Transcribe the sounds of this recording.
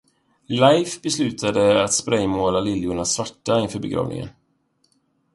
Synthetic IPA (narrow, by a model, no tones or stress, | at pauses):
lajfbɛslʉ̟ːt̪ʰad̪əat̪spɾɛjmoːlalɪljʊɳasvaʈːaɪnfœːbɛɡɾɑ̰ːvnɪ̰ŋə̰n